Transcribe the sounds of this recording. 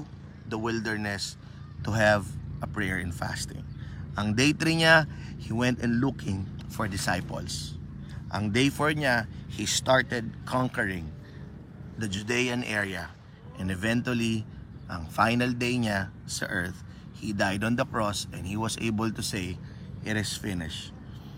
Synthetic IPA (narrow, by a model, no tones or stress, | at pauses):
d̪ɐwɪld̪ɛɹnɛs | t̪ʊɦɛvʔɐpɹɛɹɪ̃nfæ̰st̪ɪ̰̃ŋʔɐŋd̪ejt̪ɾiɲahiwɛ̃nt̪ɪ̃nlukʰɪ̃ŋfɔɹd̪ɪsajpɔ̰ls | ʔɐŋd̪ejfɔɹɲahist̪aɹt̪ɛd̪̚kʰɔ̃ŋkəɹɪ̃ŋ | d̪ɐd͡ʒʊd̪ejɐ̃nʔɛɹijɐ | ʔɛ̃nd̪ɛvɛ̃nt̪wɐliʔɐŋfajnɐld̪ejɲasɐ̰ʔɛɹt̪ | hid̪ajd̪ɔ̃nd̪ɐkɹɔsɛ̃nd̪hiwɐsʔḛjbəlt̪ʊsej | ʔɪɾɪsfɪnɪʃ